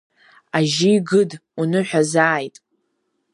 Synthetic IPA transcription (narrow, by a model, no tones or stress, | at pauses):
aʒijɡɨdunɨħʷᶣazaːjtʼ